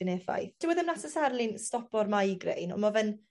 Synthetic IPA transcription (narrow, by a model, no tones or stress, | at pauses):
ɪnefa̰jθd̥ɪwəðəmnatəsarlˠɪnstɔpɔrmajɡrḛjnɔ̰mɔvɛn